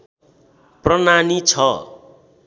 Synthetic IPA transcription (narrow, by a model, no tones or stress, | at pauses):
prʌnanit͡sʰʌ